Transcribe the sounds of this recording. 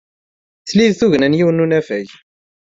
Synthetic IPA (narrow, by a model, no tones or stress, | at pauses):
θliðθuʝnænjiwənunæfæʝ